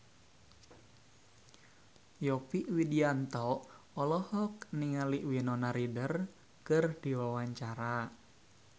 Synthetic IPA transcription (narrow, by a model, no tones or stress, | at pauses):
jɔpiʔwidiant̪ɔʔ | ɔlɔhɔk̚niŋaliʔwinɔnaɾidər | kərd̥i̤wawaɲt͡ʃaɾa